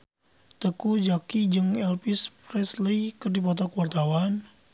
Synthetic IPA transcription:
t̪əkud͡ʒakid͡ʒɨŋɛlpispɾɛsləjkɨrdipɔt̪ɔkuwart̪awan

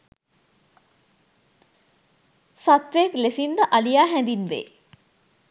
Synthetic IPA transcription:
sat̪ʋejeklesind̪əʔalijaːɦɛnd̪inʋḛː

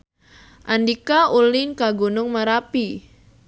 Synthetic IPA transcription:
ʔandikaʔulɪnkaɡunʊŋmaɾapi

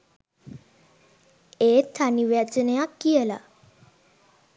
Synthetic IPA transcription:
eːt̪ʰːaniʋat͡ʃənejakːijəla̰

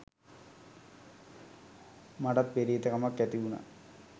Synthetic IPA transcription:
mɐɖɐt̪̚beɾiːt̪ːɐkɐmɐkːæt̪iʋunɐ̰

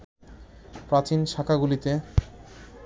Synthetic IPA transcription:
pɾat͡ɕinʃakʰaɡulit̪e

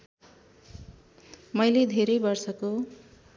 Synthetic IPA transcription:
mʌjled̪ʱeɾʌjbʌrsʌko

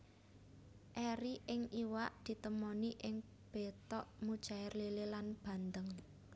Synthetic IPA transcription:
ʔɛɾiʔɪŋiwaʔd̪̥i̤t̪əmɔniʔɪŋ | b̥e̤t̪ɔʔmud̥ʒ̥a̤ɪrlelelanb̥ä̤nd̪əŋ

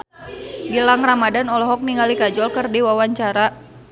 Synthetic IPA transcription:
ɡilaŋramadanɔlɔɦɔk̚niŋɡalikad͡ʒɔlkərdiwawaɲt͡ʃaɾa

